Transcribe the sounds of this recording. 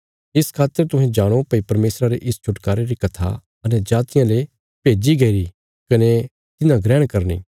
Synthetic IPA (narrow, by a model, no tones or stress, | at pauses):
ɪskʰaːt̪ːəɾt̪ʊ̃ɦɛ̃d͡ʒaːɽ̃opɐipɐɾmeːsɾaɾeʔɪst͡ʃʰʊʈkaːɾeɾikɐt̪ʰa̰ | ɐnɛd͡ʒaːt̪ɪjãle | peːd͡ʒiɡɐiɾi | kɐne | t̪ɪnãɡɾɛ̃ːɽ̃kɐɾnḭː